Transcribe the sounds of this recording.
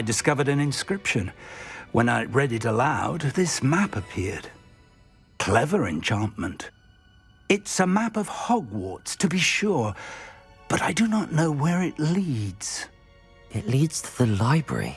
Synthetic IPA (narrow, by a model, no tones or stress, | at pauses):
aɪdɨskʌvə˞ɾɨ̃nɨ̃nskɹɪpʃɨ̃nwʔə̰̃naɪɹɛɾɨɾəlaʊd̪ðɪsmæpɨpʰɪɹd̥ | kʰl̥ɛvə˞ɨ̰̃nt͡ʃʰɑ̃nmə̃nt | ɨtsəmæpʌv̥hɑɡwɔ̰tstʰɨbiʃʊɹ | b̥ʌɾaɪdɨnəʔⁿnoʊwə˞ɪʔlidz̥ | ɪʔlidz̥tʰəðəlaɪbɹə̰ɹḭ